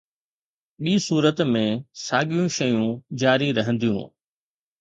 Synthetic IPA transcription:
ɓiːsuːɾət̪mẽsaːɠijũʃɐjũd͡ʑaːɾiɾɐɦə̃nd̪ijṵ̃ː

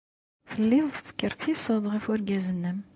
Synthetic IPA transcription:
θəlːɪðˤt͡sːə̥kːəɾtθisˤəðˤʁəfʊɾɡæzənːəm

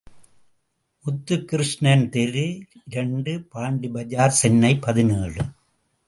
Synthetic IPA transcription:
ʔʊt̪ːɯkːɪɾɯʂnɐnt̪ɛɾɯɪɾɐɳɖɯpaːɳɖibɐd͡ʒaːɾsɛnːɐɪpɐðɪneːɭɯ

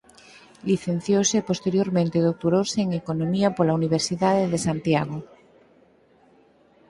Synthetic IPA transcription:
liθẽn̟θjosepost̪eɾjoɾmẽnt̪eðok̚t̪oɾoseːŋekonõmiapolauniβ̞eɾsiðaðeðesant̪jaɣ̞o

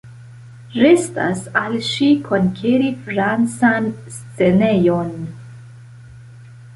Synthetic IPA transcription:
ɾesta̰salʃikʰo̞nkʰeɾifɾant͡sanst͡se̞nejon

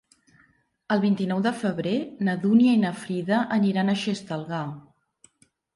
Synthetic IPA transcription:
əlˠβint̪inɔwðəfəβɾenəðuniəinəfɾiðəʔəniɾanəʃest̪əlˠɣa

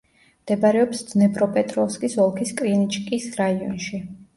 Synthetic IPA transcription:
md̪̥ɛbaɾɛɔpsd̪z̥nɛpʰʼɾɔpʼɛt̪ʼɾɔfskʼisɔlˠkʰiskʼɾinit͡ʃʼkʼisɾaiɔ̰nʃi

